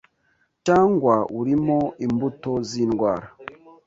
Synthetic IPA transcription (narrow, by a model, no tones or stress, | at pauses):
t͡ʃaːŋɡwauɾimo̞imbuto̞ziːnɡwaːɾa